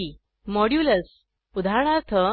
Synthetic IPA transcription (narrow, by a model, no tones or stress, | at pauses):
i | mɔɽjuləs | ud̪ʱaɳ̃aɾt̪ʰə